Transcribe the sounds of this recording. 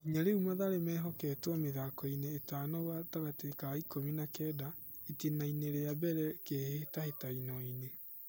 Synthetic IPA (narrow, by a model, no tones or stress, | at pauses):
iɲaɾeumaðaɾemɛːɦɔkɛtwɔmeðakɔineːtanɔwataɣatekaikominakɛːdaetenaineɾeabɛɾɛkehetahetainɔine